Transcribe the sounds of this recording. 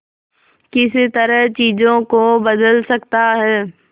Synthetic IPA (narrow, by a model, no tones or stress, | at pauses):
kɪsɪ̆t̪ɐɾəɦt͡ɕiːd͡ʑõkobɐd̪əlsɐkt̪aɦɛː